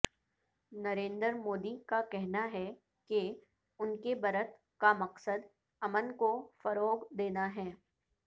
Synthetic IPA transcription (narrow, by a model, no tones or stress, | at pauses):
nɐɾẽːnd̪əɾmoːd̪ikakɛɦnaɦɛ | ke | ʊnkebɐɾət̪ | kamɐqsəd̪ | ɐmənkofɐɾoːɡd̪eːnaɦɛː